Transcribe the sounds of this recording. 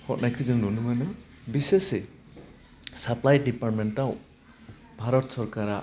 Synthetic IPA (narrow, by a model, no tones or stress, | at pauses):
hɔt̚najkʰɯzɯŋnunɯmanɯ | bisese | saplajdipaɾt̚mentaw | bʱaɾɔtsɔɾkaɾa